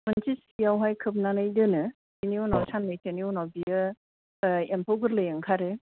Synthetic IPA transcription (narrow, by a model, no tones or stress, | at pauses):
mɯntisijawɦajkʰɯp̚nanɯjdɯnɯ | sinionawsʰanlajtʰenionawbiɯ | empʰowɡɯɾlɯjeŋkʰaɾɯ